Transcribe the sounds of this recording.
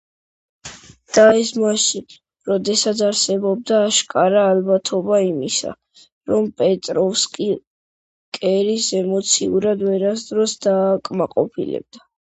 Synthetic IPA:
d̪̥aɛsmaʃi | ɾɔd̪ɛsat̪sʰaɾsɛbɔb̚d̪aːʃkʼaɾaːlbat̪ʰɔbaimisa̰ | ɾɔmpʼɛt̪ʼɾɔfskʼi | kʼɛɾisɛmɔt̪sʰiuɾad̪vɛɾasd̪ɾɔsd̪aːkʼmaqʼɔ̰pʰḭlɛ̰b̚d̪a

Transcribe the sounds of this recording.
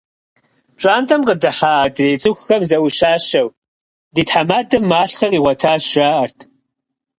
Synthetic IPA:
ʈ͡ʂʼaːntʰʼɐmqədɨħaːdreːjt͡sʼɨxʷxɐmzɐwʊʃaːʃɐw | ditħamaːdɐmːaːɬxɐriːʁʷɔtʰaːzʒaːɐrtʰ

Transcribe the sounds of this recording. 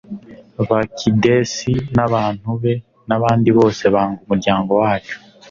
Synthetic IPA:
βakʰidesinaβaːn̥huβe̞ | naβaːndiβo̞ːse̞βaːŋɡumuɾɟaːŋɡo̞waːt͡ʃu̥

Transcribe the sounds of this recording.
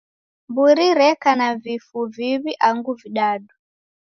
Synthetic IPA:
mbuɾiɾɛkanavifuviβiʔaŋɡuviɗaɗu

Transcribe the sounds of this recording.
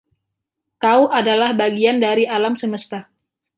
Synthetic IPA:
k̪auʔadalahbaɡiandaɾialamsəməst̪a

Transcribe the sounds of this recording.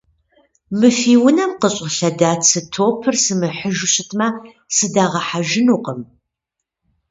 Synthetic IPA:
mɨfiːwʊnɐmqəɕʼɪɬɐdaːt͡sʰɨtʰoːpʰɨrsɨmɨħəʒʊɕɪtʰmɐ | sɨdaːʁɐħaʒɪnuːqəm

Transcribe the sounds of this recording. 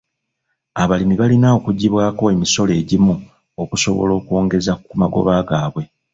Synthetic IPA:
aβalimiβalinao̞kuɟiβwaːko̞e̞miso̞le̞ːɟimu | okuso̞βo̰lo̞ːkuo̞ːŋɡe̞zakːumaɡo̞̰βaːɡaːβwe̞

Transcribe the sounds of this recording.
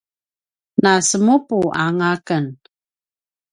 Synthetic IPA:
nasəmupuʔaŋakən

